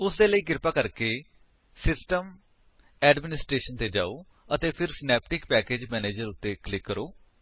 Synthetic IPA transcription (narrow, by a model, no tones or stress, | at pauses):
ʊsd̪eːləiːɡɪɾpaːkəɾkeː | sɪsʈəm | ɛːɖmɪnɪsʈɾeːʃənt̪eːd͡ʒa̰ːoː | ət̪eːpʰɪɾsɪnɛːp̚ʈɪkpɛːkeːd͡ʒmɛːneːd͡ʒəɾʊt̪ːeːklɪkːəɾoː